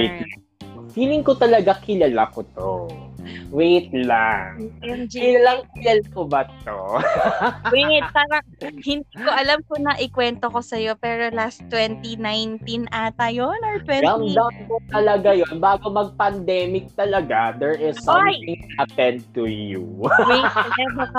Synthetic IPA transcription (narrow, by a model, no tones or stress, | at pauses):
t̪ | fiːlɪŋkot̪ɐlɐɡakɪlɐlakot̪o̰ | wejt̪̚laŋnd͡ʒkɪlɐlaŋkɪlalkobɐt̪o | wiŋɪaɐ | hɪnd̪iːkoʔɐlamkonɐʔɪkwɛnt̪oko̞sɐjo̞pɛːɾo̞last̪wɛnt̪inajnt̪inʔat̪ɐjonoɹt̪wɛɡ̪ɐmd̪ɐmkot̪ɐlɐɡajonbaːɡomɐɡ̚pɐnd̪ɛːmɪk̚t̪ɐlɐɡad̪ɛɹʔɪsːjɪŋɐpɛnd̪̚t̪ujṵwejt̪ɛbɐka